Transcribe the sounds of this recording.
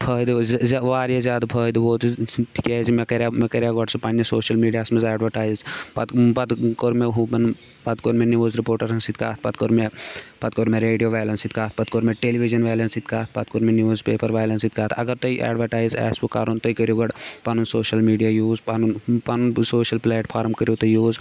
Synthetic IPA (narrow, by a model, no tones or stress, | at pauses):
pʰəːd̪zzʋaːɾijezjaːd̪pʰəːd̪boːt̪ʈ̪ʰi̥kɛzimekɐɾʲamekɐɾʲjaɡɐɽsupanːesoːʃɐlmiːɖijaːsmɐzɛːɖʋɐɾʈaːjzpɐt̪pɐd̪koɾmeɦũpɐn | pɐt̪koɾmeniʋoːzɾipoːɾʈɐɾɐnsit̪̚ka̰ːt̪̚ʰpɐt̪̚koɾmepɐt̪koɾmeɾeːɖijoʋajlɐnsit̪kaːt̪̚ʰpɐt̪̚koɾmeʈeːliʋid͡ʒɐnʋɛːlɐnsit̪kaːt̪ʰpɐt̪̚koɾmenioːzpeːpɐɾʋaːjlɐnsit̪kaːt̪ʰɐ̰ɡɐɾt̪oiʔɛ̰ːɖʋɐɾʈaːjzɛ̰ːspuka̰ːɾont̪oikəɾjoɡɐɖpanunsoːʃɐlmiːɖijajuːzpanunpanunsoːʃɐlpleːʈpʰaːɾmkəɾjot̪ojuːz